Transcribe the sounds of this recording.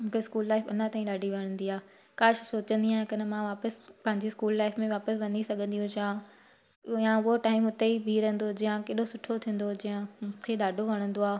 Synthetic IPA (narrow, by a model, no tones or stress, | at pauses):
mũːkʰeskuːlːaːɪfɐnãt̪aːĩɗaːɖʱiʋɐɽ̃ə̃nd̪iaː | kaːʃʊsoːt͡ɕə̃nd̪iãːɪ̃kɐnəmãʋaːpəspɐ̃ɦɪ̃ɲd͡ʑeskuːlːaːɪfmẽʋaːpəsʋɐ̃nisɐɡʱə̃nd̪ijũt͡ɕaː | jãʊɦoʈaːɪmʊt̪eibʱiːɾə̃nd̪od͡ʑijãkeːɗosʊʈʰot̪ʰĩːn̆d̪od͡ʑijə̃m̃ːkʰeɗaːɖʱoʋɐɽ̃ə̃nd̪oaː